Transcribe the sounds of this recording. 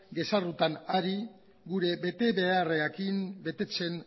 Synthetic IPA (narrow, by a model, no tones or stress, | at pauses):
ɡe̞sarut̪anaɾi | ɡuɾe̞βe̞t̪e̞βe̞areakimbe̞t̪e̞t͡se̞n